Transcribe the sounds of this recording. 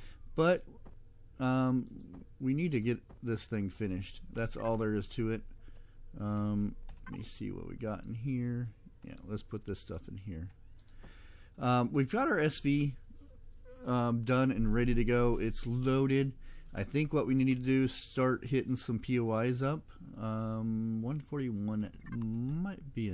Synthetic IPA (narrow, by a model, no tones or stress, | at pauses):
b̥ʌt̚ | ʌ̃mwinid̚tɨɡɛt̪̚ðɪsθɪ̃ŋfɪ̃nɪʃt̚ðætsɔ̰lˠðə˞ɨz̥tʰɨɪt̚ʔʌ̃mmḭsḭwʌ̰ʔ̚wḭɡɑɾn̩ɦiɹ | jæ̰lətspʰʊt̪̚ðɪstʌ̰fɨ̃n̩hiɹ | ʌ̃mwivɡɑɾə˞ɛsv̥i | ʌ̃dʌ̃nɨ̃nɹɛɾiɾɨɡoʊʔɪtsloʊɾɪdʔaɪθɪ̃ŋkwʌʔ̚winiɾd̚tʰɨdɨz̥stɑɹt̚hɪɾɪ̃ŋsʌ̃mpʰioʊaɪzʌp̚ | ʌ̃mwʌ̃nfɔɹɾiwʌ̃n | maɪt̚b̥iɨ